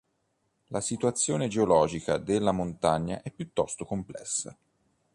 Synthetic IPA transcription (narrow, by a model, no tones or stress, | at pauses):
lasit̪uat̪sːjoːned͡ʒeolɔːd͡ʒikad̪elːamont̪aɲːa̰ʔɛpːjut̪ːɔst̪okomplɛ̰sːa̰